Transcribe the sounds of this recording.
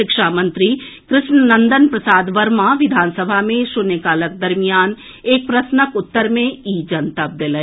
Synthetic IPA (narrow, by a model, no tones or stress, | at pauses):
ɪkʃaːmə̃nt̪ɾi | kɾɪʃnənɐ̃nd̪ənpɾɐsaːd̪ʋəɾmaʋɪd̪ʱaːnsəbʱamẽʃʊnekaːlək̚d̪ɐɾmijaːn | eːk̚pɾɐsnəkʊt̪ːəɾmẽiːd͡ʒɐnt̪əp̚d̪eleː